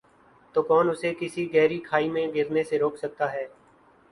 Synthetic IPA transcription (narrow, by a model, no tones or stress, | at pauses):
t̪oːkɔːnʊsekɪsiɡɛɦɾikʰaːiːmẽɡɪɾneseɾoːkʰsək̚t̪aːɦɛː